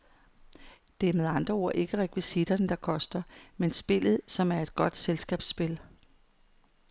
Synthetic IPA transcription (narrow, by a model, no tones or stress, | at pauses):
d̥e̝æɐmeð̞ˠɑ̈nd̥ʁɐo̝ɐ̰ʔe̝ɡ̥əʁɛkʰʋisid̥ɐnəd̥ɑ̈kʰɒ̽sd̥ɐmensb̥e̝l̰ð̞̩ˠsɒ̽mæɐe̝d̥̚ɡ̥ɒ̽d̥selsɡ̥ɛ̰ːb̥sːb̥e̝l